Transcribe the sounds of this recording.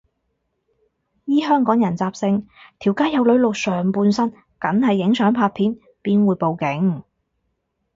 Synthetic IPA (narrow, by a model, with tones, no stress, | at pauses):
jiː˥ɦœː˥ŋkɔː˨˥ŋjɐ˨˩nt͡saː˧p̚sɪ˧ŋt̪ʰiː˨˩wkaː˥jɐ˨˧wlɵ˨˧˥ɥlʊ˨k̚sœː˨˩ŋpuː˧nsɐ˥n | kɐ˨˥ŋhɐ˨jːɪ˨˥ŋsœː˨˥ŋpʰaː˧t̚pʰiː˨˥n | piː˥nwuː˨˧jpo˨˧wkɪ˨˥ŋ